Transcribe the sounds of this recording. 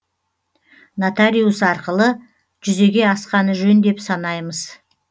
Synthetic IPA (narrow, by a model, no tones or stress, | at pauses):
nat̪alʲijusɑɾqəlˠə | ʒʏze̞ɡʲe̞ɑsqɑnəʒɵnd̪e̞psɑnɑjməz̥